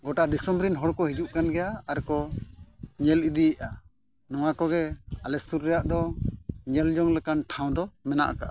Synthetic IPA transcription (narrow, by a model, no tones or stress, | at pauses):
ɡɔʈad̪ɛsɔmɾinɦɔɽkɔɦid͡ʒuʔkanɡɛjaːɾkɔ | ɲɛlid̪ijɛʔa | nɔwakɔɡɛalɛst̪uɾːɛjaʔd̪ɔɲɛld͡ʒɔŋlɛkanʈʰaw̃d̪ɔmɛna̰ʔaka̰ʔa